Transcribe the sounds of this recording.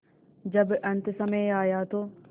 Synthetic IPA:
d͡ʒɐbʔɐnt̪əsɐmejaːjaːt̪o

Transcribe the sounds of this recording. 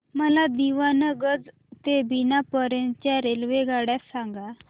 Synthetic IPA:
məlad̪iʋanəɡəd͡z | t̪ebinapəɾənt͡ɕjaɾelʋeɡaɽjasãŋɡa

